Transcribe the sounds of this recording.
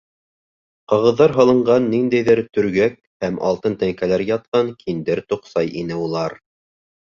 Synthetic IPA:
qɑʁɤ̆ðːɑɾɦɑ̆lˠɤ̆ɴɢɑnːind̪æjðɘɾt̪ɵ̆ɾɡæk̚hæmʔɑ̰lˠt̪ɤnt̪æŋkælæɾjɑt̪̚qɑŋkʰind̪ɘɾt̪uqsɑjinɘulˠɑɾ

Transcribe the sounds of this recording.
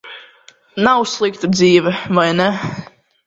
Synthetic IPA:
nawslik̚t̪ədziːvəvajnɛ

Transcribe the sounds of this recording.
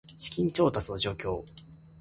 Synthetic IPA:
ɕi̥kʲĩɲ̟t͡ɕo̞ːt̪at͡sɨno̞d͡ʑo̞ːkʲo̞ː

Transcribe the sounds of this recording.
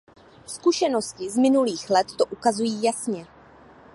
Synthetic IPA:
skuʃɛno̞scɪzmɪnuliːxlɛt̪ːoʔukazujiːjasɲɛ

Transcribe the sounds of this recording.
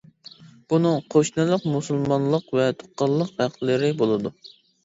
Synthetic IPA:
b̥unɨŋqʰoʃnɨlˠəqmusɨlˠmɑnlˠəqvɛt̪ʰo̥qːɑlˠːəqæqlɪɾɪbolˠɨd̪u

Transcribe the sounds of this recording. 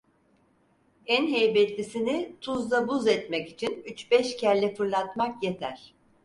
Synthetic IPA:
ænɦejbɛt̪lʲisinit̪ʰuzd̪ˠabuzɛt̪mɛkit͡ʃʰinyt͡ʃbɛʃcʰæɾlʲɛfɯɾlˠat̪makjet̪ʰæɾ̥

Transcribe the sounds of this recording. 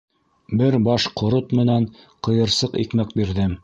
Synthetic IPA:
bɘɾbɑʃqŏɾot̪mɘ̆næɴ | qɤ̆jɤ̆ɾsɤqḭkmæk̚biɾðɘm

